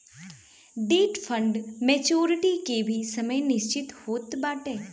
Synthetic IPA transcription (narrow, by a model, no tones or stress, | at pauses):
ɖeːʈfʰə̃ɳɖmeːt͡ʃoːɾɪʈikebʱisɐməjnɪʃt͡ʃɪt̪hoːt̪baːʈeː